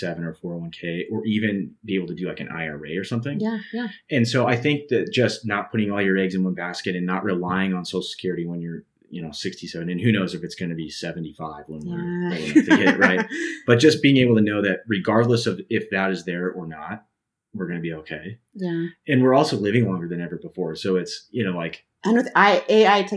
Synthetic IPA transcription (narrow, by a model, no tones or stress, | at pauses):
sɛvɨ̃nə˞fɔɹwʌ̃nkʰeɪʔə˞ʔivɨ̃nb̥ieɪbl̩ˠtʰɨdɨlaɪkɨ̃nʔa̰ɪɑ̰ɹeɪə˞sʌ̃mθɪ̃ŋj | ɨ̃nsoʊaɪθɪ̃ŋk̚ðɨt̚d̥ʒ̥ʌstnət̚pʰʊɾɪ̃ŋɔlˠjə˞ɛɡzɨ̃nwʌ̃nbæskɨɾɨ̃nːəʔɹʔɨlaɪɪ̃ŋə̃nsoʊlˠsə̥kʰj̥ʊɹɨɾiwə̃njə˞ | jɨñoʊsɪkstʰisɛvɨ̃nɨ̃nhʉnoʊzɨfɨtsɡ̥ʌ̃nɨbisɛvn̩tifaɪvlʌ̃nə˞ɪl̃tɨɪʔ̚ɹaɪb̥ʌt̚d̥ʒ̥ʌsb̥iɪ̃ŋeɪbl̩ˠtʰɨnoʊðɨt̚ɹɨɡɑɹdˡləsʌvɪfðɨɾɨzðə˞ʔə˞nət̚ | wɨɹɡʌnɨbioʊkʰeɪ | jæɨ̃nwɪɹɔlˠsoʊlɪvɪ̃ŋlɔ̃ŋɡə˞ðɨ̃nɛvə˞bəfɔɹsoʊɨtsjɨñoʊlaɪk | anõaɪʔeaɪtʰ